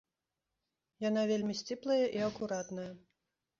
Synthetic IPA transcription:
janavʲelʲmʲisʲt͡sʲiplˠɐjɐʔiɐkuɾat̪nɐjɐ

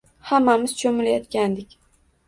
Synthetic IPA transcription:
hamːamɪz̥t͡ʃʰɵmɪlajɒt̪kʲand̪ɪkʲ

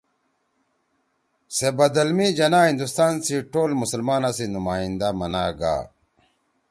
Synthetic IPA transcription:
sebɐd̪ɐlmid͡ʑɐnaːɦĩnd̪ust̪aːnsiʈoːlmusəlmaːnasinumaːind̪amɐnaːɡa̰ː

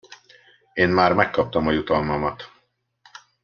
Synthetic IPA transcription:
eːnmaːrmɛkːɒp̚t̪ɒmɒjut̪ɒlmɒmɒt̪

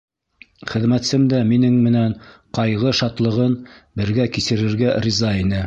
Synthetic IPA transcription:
χɘ̆ðmæt̪sɘmd̪æminɘŋmɘ̆nænqɑjʁɤʃɑt̪lˠɤ̆ʁɤnbɘ̆ɾɡækisɘ̆ɾɘ̆ɾɡærʲizɑinɘ

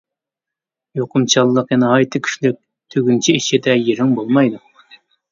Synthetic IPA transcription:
joqʊmt͡ʃʰɑlˠːəqjɛnɛhɑjt̪ʰɨkʲʰy̥ʃlyk̚ʲ | t̪ʰøɡʲynt͡ʃʰiiʃid̪ɛjeɾɪŋbolˠmɑjd̪u

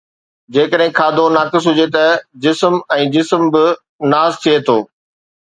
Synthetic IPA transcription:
d͡ʑeːkəɗɦɪ̃kʰaːd̪ʱonaːkɪs̬ɦʊd͡ʑet̪ɐd͡ʑɪsmɛ̃ːd͡ʑɪsmbɪ | naːzt̪ʰiet̪ʰoː

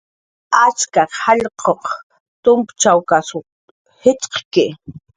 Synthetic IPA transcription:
at͡ʃkahɑʎqʰoχ | t̪ʊmpt͡ʃawkaso | hɪt͡ʃqkɪ

